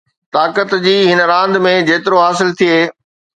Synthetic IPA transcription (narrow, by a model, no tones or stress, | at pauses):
t̪aːkət̪d͡ʑiːɦɪnɾãːnd̪mẽd͡ʑeːt̪ɪɾoɦaːsɪlt̪ʰieː